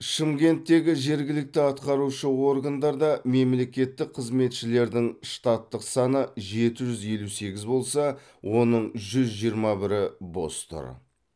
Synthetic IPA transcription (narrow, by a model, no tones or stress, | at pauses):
ʃɪmkʲe̞nt̪ːe̞ɡʲɪʒe̞ɾɡʲɪlɪk̚t̪ɪɑt̪qɑɾuʃəwo̞ɾɡand̪ɑɾd̪ɑme̞mle̞kʲe̞t̪ːɪk̚qʰəzme̞t̪ʃɪle̞ɾd̪ɪŋʃt̪ɑt̪ːəqsɑnəʒe̞t̪ɪʒʏzje̞luse̞ɡʲɪzbo̞lˠsɑ | wʔo̞nəɴʒʏzʒijəɾmɑbɪɾɪbo̞̰st̪ə̰ɾ̰